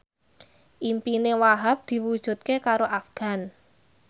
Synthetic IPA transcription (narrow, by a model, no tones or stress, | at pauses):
ʔimpinewaɦap̚d̪̥i̤wud̥ʒ̥ṳt̪̚kekaɾoʔafɡ̥a̤n